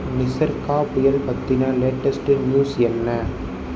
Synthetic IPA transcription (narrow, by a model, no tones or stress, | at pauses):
mɪsɐɾkaːpʊjɐlpɐt̪ːɪnaleːʈːɐsʈɯnjuːsɛnːɐ